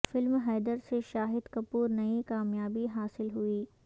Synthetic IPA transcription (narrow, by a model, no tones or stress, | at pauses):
fɪlmɦɛːd̪əɾseʃaːɦɪd̪kɐpuːɾnɐikaːmjaːbiɦaːsɪlɦuiː